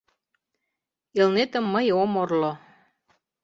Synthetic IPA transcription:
elnet̪ə̆mːəjomorlo

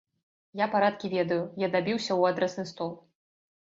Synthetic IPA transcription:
japaɾat̪̚kʲivʲɛd̪ɐjujad̪abʲiwsʲɐwad̪ɾɛsnɨst̪ɔlˠ

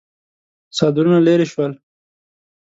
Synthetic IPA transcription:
sɑd̪ɾunaleɾiʃwəl

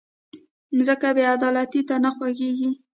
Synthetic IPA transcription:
zəkabjead̪ɑlat̪it̪anaxwaɡeɡi

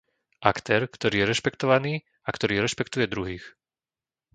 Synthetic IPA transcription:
ʔakt̪ɛːɾkt̪ɔɾiːjɛɾɛʃpɛkt̪ɔʋaniː | akt̪ɔɾiːɾɛʃpɛkt̪ujɛd̪ɾuɦiːx

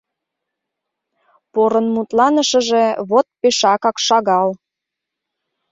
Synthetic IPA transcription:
poɾənmut̪lɑnəʃə̆ʒe̽βot̪̚peʃɑkɑkʃɑɣɑl

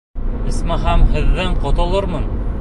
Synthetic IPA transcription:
ɘ̆smæɦæmhɘ̆ðːɘɴqŏt̪ŏlˠɤɾmɤn

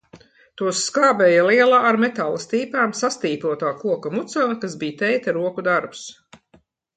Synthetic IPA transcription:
t̪uɔsːkaːbɛːjaliɛlˠaːɾmet̪alˠɐst̪iːpaːmsast̪iːpuɔt̪aːkuɔkamut̪salˠkasbijt̪ɛjt̪aɾuɔkud̪aɾpu̥s

